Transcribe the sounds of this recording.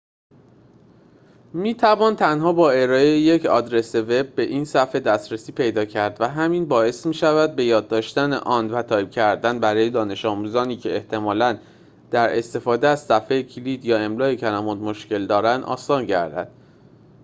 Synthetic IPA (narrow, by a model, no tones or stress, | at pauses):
miːt̪ʰævɒːnt̪ʰænhɒːbɒːe̞ɾɒːejje̞cʰɒ̰ːd̪ɾe̞seve̞bːe̞ʔiːnsæfe̞d̪æst̪ɾesiːpʰe̞jd̪ɒːcʰæɾd̪væɦæminbɒːe̞smiːʃævæd̪̚be̞jɒːd̪ːɒːʃt̪ænḛʔɒːnd̪væt̪ʰɒːjb̥̚cʰæɾd̪ænbæɾɒːje̞d̪ɒːne̞ʃɒːmuːzɒːniːcʰe̞eht̪ʰe̞mɒːlæn | d̪̥æɾe̞̰st̪e̞fɒːd̪eæz̥sæfejecʰilid̪jɒːe̞mlɒːecʰælæmud̪moʃce̞ld̪ɒːɾænd̪ʔɒ̰ːsɒːnɟæ̰ɾd̪æ̰d̪̥̚